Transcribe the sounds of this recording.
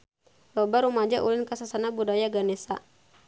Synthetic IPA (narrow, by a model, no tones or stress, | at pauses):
lɔbaɾumad͡ʒaʔulɪnkasasanabudajaɡanesa̰